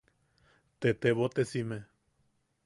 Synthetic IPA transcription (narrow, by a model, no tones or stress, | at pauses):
t̪et̪eβot̪esime